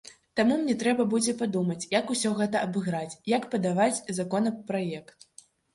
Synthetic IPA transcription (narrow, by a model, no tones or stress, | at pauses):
t̪amumnʲɛt̪ɾɛbɐbud͡zʲɛpad̪umɐt͡sʲjakusʲɔɣɛt̪ɐʔɐbɨɣɾat͡sʲjakpɐd̪avat͡sʲzakɔnɐpɾajɛkt̪